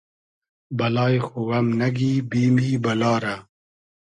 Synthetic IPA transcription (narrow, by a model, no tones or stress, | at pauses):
bɐlɑːjxuwɐmnɐɡiːbiːmiːbɐlɑːɾa